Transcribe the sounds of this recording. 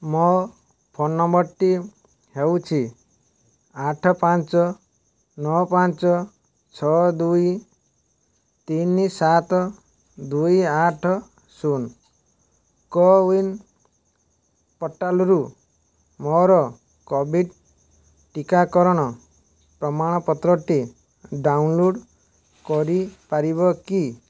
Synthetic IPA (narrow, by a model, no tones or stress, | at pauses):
mɔ | pʰɔnɔmbɔʈːi | hewt͡ʃʰi | aʈʰɔpant͡ʃɔ | nɔpant͡ʃɔ | t͡ʃʰɔd̪uj | t̪inisat̪ɔ | d̪ujaʈʰɔ | sun | kɔwin | pɔʈːalɔɾu | mɔɾɔ | kɔbʱiɖ | ʈikakɔɾɔɽ̃ɔ | pɾɔmaɽ̃ɔpɔt̪ɾɔʈi | ɖawnloɖ | kɔɾipaɾibɔki